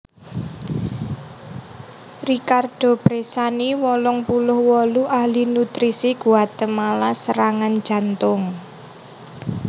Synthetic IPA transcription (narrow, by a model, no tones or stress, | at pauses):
rikard̪̥o̤b̥ɾesaniwɔlɔŋpulʊhwɔluʔahlinut̪ɾisiɡ̥uat̪əmːalasəɾaŋan̥d͡ʒ̥a̤nt̪ʊŋ